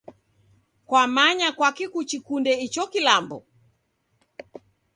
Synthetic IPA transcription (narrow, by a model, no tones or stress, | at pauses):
kwamaɲakwakikut͡ʃikundɛit͡ʃɔkilambɔ̰